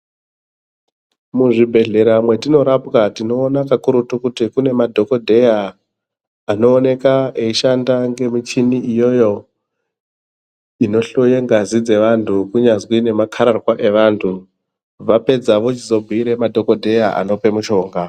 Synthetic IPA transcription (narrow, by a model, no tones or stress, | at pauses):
muʐibʱe̞ɮe̞ɾamwe̞tino̞ɾapkatino̞ːnakakuɾutukutikune̞madʱo̞ko̞dʱe̞jaː | no̞ːne̞kaeiʃandaŋɡe̞mit͡ʃiniijo̞jo̞ | ino̞ɬo̞je̞ŋɡazid͡ze̞ʋantʰukuɲazwine̞makʰaɾarwaʔe̞ʋaːntʰu | ʋape̞d͡zaʋo̞t͡ʃizo̞bʱiiɾe̞madʱo̞ko̞dʱe̞jaʔa̰no̞pe̞muʃo̞ːŋɡa